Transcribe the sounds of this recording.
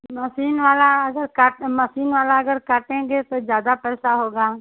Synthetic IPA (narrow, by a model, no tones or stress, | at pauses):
mɐsiːnʋaːlaɐɡəɾkaʈmɐsiːnʋaːlaɐɡəɾkaʈẽɡet̪ozjaːd̪apɛːsaɦoːɡaː